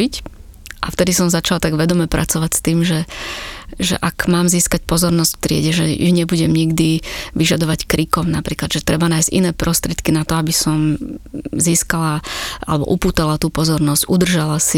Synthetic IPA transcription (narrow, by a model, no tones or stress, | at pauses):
ic | ʔaft̪ɛd̪isɔmzat͡ʃalt̪aɡʋɛd̪ɔmɛpɾa̰t͡sɔʋacst̪iːmʒɛ | ʒɛ̰ʔakmaːmziːskac̚pɔzɔɾnɔscft̪ɾɪɛ̰ɟɛʒɛjṵɲɛbuɟɛmɲiɡd̪iʋiʒad̪ɔʋackɾikɔmnapɾiːklad̪ʒɛt̪ɾɛbanaːjzcḭnɛːpɾɔst̪ɾɪɛt̪kinat̪ɔabisɔm | ziːskalaʔa̰lɛbɔ̰ʔupuːt̪alat̪uːpɔzɔɾnɔzcud̪r̩ʒalasi